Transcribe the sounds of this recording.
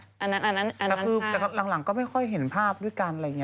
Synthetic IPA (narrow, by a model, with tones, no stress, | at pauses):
ʔa˧nːa˦˥nʔa˧nːa˦˥na˧ɛː˧˦kkʰɯː˧t̪ɛː˨˧˩ka˧la˩˧ŋla˩˦ŋkɔː˥˩ma˥˩jkʰɔ˥˩jɦe˨˩˦npʰaː˥˩p̚du˥˩jka˧nʔa˧˨˩ŋi˦˥